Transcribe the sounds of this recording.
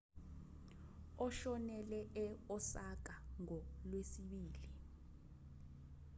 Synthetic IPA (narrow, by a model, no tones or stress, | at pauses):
ɔʃɔnɛlɛʔɛɔsak̬aŋɔlwesiɓiːli